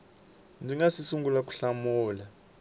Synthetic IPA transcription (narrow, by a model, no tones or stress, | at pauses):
ndʱiŋasisuŋɡulak̬ʼu̥ɬamuːla